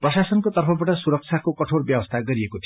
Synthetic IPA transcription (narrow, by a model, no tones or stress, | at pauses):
prʌsasʌnkot̪ʌrpʰʌbaʈʌsuɾʌk̚t͡sʰakokʌʈʰorbjʌbʌst̪ʰaɡʌɾiekot̪ʰi